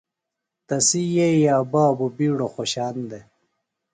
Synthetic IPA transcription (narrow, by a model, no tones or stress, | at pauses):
t̪ɐsijejaːbaːbubiːɽoxoɕaːnd̪e